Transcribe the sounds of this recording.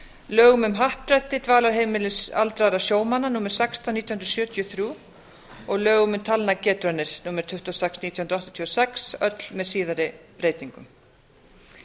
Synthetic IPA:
lœːɣʏmʏmɦahpɾɛt̪ːɪt̪vaːlaɾ̥ɦejmɪlɪsa̰lt̪ɾaðɾasjoːwmananuːmɪɾ̥sɛkst̪ʰawniːt̪jɔhnɾsjœːt̪ʰjɔθɾjuː | ɔɣlœːɣʏmʏmt̪ʰalnacɛːt̪ɾœnːɪɾ̥nuːmɛɾ̥t̪ʰʏht̪ɔsɛksniːt̪jɔhʏnɾɔht̪ḁt̪ʰiːɔsɛksœt̪l̥mɛðsiːðaɾɪpɾeːjt̪iŋkʏm

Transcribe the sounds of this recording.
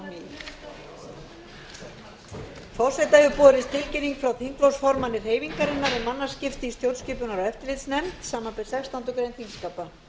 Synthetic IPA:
fɔw̥sɛjt̪aɛvʏpɔːɾɪst̪ʰɪlcɪnːiŋkfɾawθʰiŋklɔwsfɔɾmanːɪr̥heːjviŋkaɾɪnːaɾɪmanːascɪft̪ɪist̪jowlscɪːpʏnaɾaɛft̪ɪɾlɪt̪snɛmt̪saːmːanpɛɾ̥sɛkst̪ant̪ʏkɾejnt̪ʰiŋskapa

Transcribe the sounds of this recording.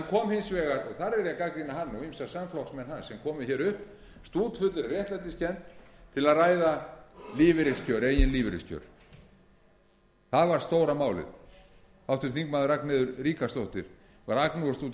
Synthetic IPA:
ɛnkʰɔːmhɪnsvɛːɣaɾɔθaɾɛɾjakakɾinaɦanːuimsasamflɔksmɛnhanːsɛmkʰɔːmʏçɛːɾʏhp | st̪uːt̪fʏt̪lɪɾrjɛht̪lat̪ɪscɛnt̪t̪ʰɪlaðraːjðaliːvɪɾɪscœɾejɪnliːvɪɾɪ̰scʰœ̰ɾ̥ | θaðvaɾ̥st̪oːwɾamaːwlɪ̰ð | awft̪ʏɾ̥θiŋkmaːðʏɾaknɛðʏɾriːkast̪owht̪ɪɾ̥ | vaɾaknuɣast̪uːt̪

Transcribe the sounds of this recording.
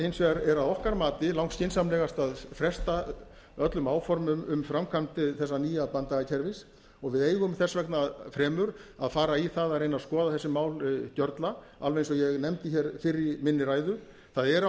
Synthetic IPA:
ejnsvɛɣaɾɛɾaðɔhkaɾmaːt̪ɪlawŋkscɪnsamlɛːɣast̪aðfɾɛst̪a | œt̪lʏmaːwfɔɾmʏmʏmfɾamkʰamt̪ɪθɛs̬ːaniːjaðpant̪aɣacʰɛɾvɪs | ɔɣvɪðeːjɣʏmθɛsvɛknaðfɾɛːmʏɾaðfaːɾaiθaðarejnaskɔːðaθɛsːɪmaːwlcœɾt̪la | a̰lvɛejnsɔjɛɣnɛmt̪ɪçɛɾfɪɾːɪmɪnːɪɾaːjðʏ | θaðɛɾa

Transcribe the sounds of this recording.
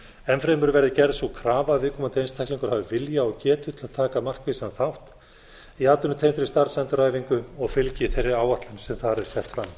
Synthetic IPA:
ɛnfɾejmʏɾvɛɾðɪcɛɾðsukʰɾaːvavɪːkʰɔːmant̪ɪejnst̪ʰajksliŋkʏɾ̥haːvɪvɪljaɔɣcɛːt̪ʏt̪ʰɪlaðt̪ʰaːkamar̥kvɪsanθawht̪ | iaːt̪ʏnʏt̪ʰejnt̪ɾɪst̪aɾsant̪ʏɾaːjviŋkʏɔɣfɪlcɪθejrːɪɾaːwaht̪lʏnsɛmθaɾɛɾ̥sɛht̪fɾamː

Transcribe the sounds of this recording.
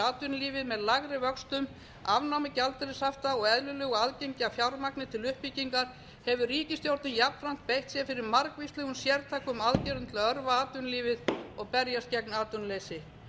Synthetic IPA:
aːt̪ʏnliːvɪðmɛðlaɣɾɪvœkst̪ʏm | avnawmɪcalt̪ʏɾɪsaft̪aɔɣɛðlʏlʏɣɔaðcejɲcafjawɾmaknɪt̪ʰɪlʏhpiciŋkaɾ̥ | hɛvʏriːcɪst̪jowɾt̪nɪmjapn̥fɾam̥t̪̚pejht̪sjɛfɪɾɪɾmaɾkvist̪ɛɣʏnsjɛɾt̪ʰaːkʏmaðcɛɾʏnt̪ʰɪlaœɾvaaːt̪ʏnliːvɪðɔɣpɛɾjascɛk̚naːt̪ʏnlejsɪ

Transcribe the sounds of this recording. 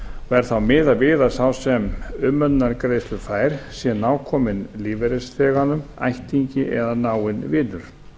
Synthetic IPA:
ɔɛɾ̥θawmɪːðavɪːðḁsawsɛmʏmːœnnːaɾkɾeːjst̪lʏɾfaːjɾ̥sjɛnaːwkʰɔmɪnliːvɛɾɪsθɛːɣanʏma̰jht̪iɲcɪʔɛðanaːwɪnvɪːlʏɾ̥

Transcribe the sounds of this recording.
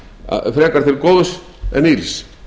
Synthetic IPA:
fɾekaɾθelkoðos | ḛnils

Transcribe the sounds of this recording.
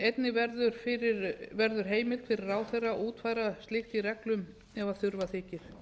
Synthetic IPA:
ejt̪nɪvɛɾðʏɾ̥fɪɾɪɾvɛɾðʏɾ̥ɦeːjmɪt̪fɪɾɪrːaːwθerːaʔuːt̪faːjɾast̪lɪxt̪irɛklʏm | ɛvaθʏɾvaθɪːcɪɾ̥

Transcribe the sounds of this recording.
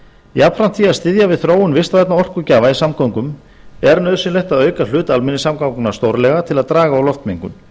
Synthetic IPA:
iapfɾant̪θiaðst̪ɪðjavɪðθɾoːwʏnvɪst̪vajt̪naɔr̥kʏcaːvaisamkawŋkʏm | ɛɾnœðsɪnlejxt̪aðœːɥkalʏːt̪almɪnːɪsamkawŋkʏnḁst̪owɾlɛɣat̪ʰɪlaðt̪ɾaːɣaːwlɔft̪miŋkʏ̰m

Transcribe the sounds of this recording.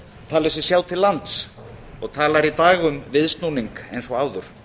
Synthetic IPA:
t̪ʰaːlɪsɪsjaːwt̪ʰɪlːant̪s | ɔɣt̪ʰaːlaɾit̪aːɣʏmvɪðst̪nuniŋkejnsɔaːwðʏɾ̥

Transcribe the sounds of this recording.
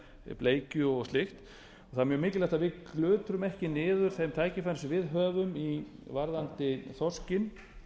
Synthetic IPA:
pleːjcʏɔɣslɪxt̪ | ɔ̥ɣθaðmjœːmɪːcɪlɛht̪avɪklʏːt̪ɾʏmɛhcɪnɪːðʏɾ̥θejmt̪ʰaːjcɪfansvɪðɦœːvʏmivaɾðant̪ɪθɔscɪn

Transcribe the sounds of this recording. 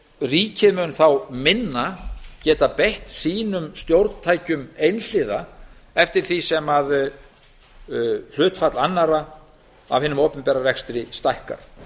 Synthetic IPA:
riːcʰɪðmʏnθawmɪnːacɛːt̪apɛjht̪siːnʏmst̪jowɾt̪n̥t̪ʰaːjcʏmejnl̥ɪːða | ɛft̪ɪɾ̥θisɛmað | l̥ʏːt̪fat̪lanːaɾa | a̰vhɪnʏmoːpʏmpɛːɾarɛkst̪ɾɪst̪ajhka̰ɾ̥

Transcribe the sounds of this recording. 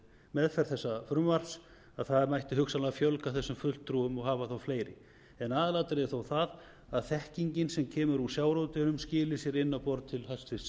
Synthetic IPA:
mɛðfɛɾ̥θɛsːafɾʏmvar̥s | aðθaðɛɾmajht̪ɪɦʏkxsanlaɣafjowlkaθɛsːʏmfʏl̥t̪ʰːɾuːʏmɔɣɦaːvaθowfleːjɾɪ | ɛnaːðɪlaːt̪ɾeɛθowθað | aðθɛhciɲcɪnsɛmcʰɛːmʏɾusjaːwɾoːwt̪ɪnʏmscɪːlɪsjɛɾɪnːapɔɾt̪̚t̪ʰɪlhast̪ɪs

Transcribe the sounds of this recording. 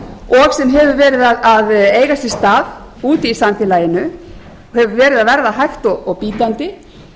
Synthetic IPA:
ɔɣsɛmɦɛvʏɾvɛːɾɪðaðaðeːjɣasjɛ̥st̪aːð | uːt̪ɪisant̪ɪlaːjɪnʏ | hɛvʏvɛːɾɪðaðvɛɾðaɦajxt̪ɔɣɔɣpiːt̪ant̪ɪ

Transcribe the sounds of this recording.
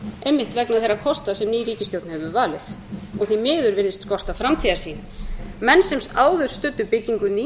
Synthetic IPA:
ejmːɪht̪vɛknaðθejrːakʰɔst̪asɛmniːɾiːcɪst̪jowt̪nhɛvʏvaːlɪθɔɣθimɪːðʏɾvɪnːɪst̪skɔr̥t̪afɾamt̪ʰiːðḁsiːn | mɛnːsɛmsaːwðʏɾ̥st̪ʏt̪ːʏpɪcːiŋkʏniː

